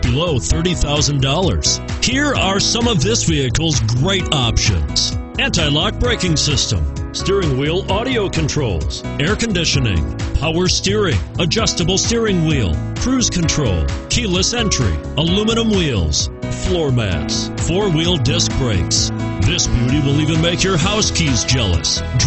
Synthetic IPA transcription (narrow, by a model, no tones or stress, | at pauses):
b̥ɨloʊθɜ˞ɾiθaʊzɨ̃n̩dɔlˠə̰˞z̥hiɹə˞sʌ̃mʌvðɪsviɨkl̩ˠzɡɹeɪɾɑpʃɨ̰̃nz̥ | æ̃ntaɪlɑk̚b̥ɹeɪkɪ̃ŋsɪstə̰̃mstɪɹɪ̃ŋwilˠɑɾioʊkʰɨ̃ntʰɹ̥oʊlˠz̥ | ɛɹkɨ̃ndɪʃɨnɪ̰̃ŋpʰaʊə˞stɪɹɪ̃ŋəd͡ʒʌstəbl̩ˠstɪɹɪ̃ŋwḭlˠkʰɹ̥ʉz̥kʰɨ̃ntʰɹ̥oʊlˠkʰiləsɛ̃nt͡ʃɹ̥ḭ | əluməñə̃mwilˠz̥flɔɹmæ̰ts | fɔɹwilˠdɪsk̚b̥ɹeɪksðɪsb̥jʉɾiwɪlˠivɨ̃nmeɪkjə˞ɦaʊskʰizd͡ʒɛlˠə̰s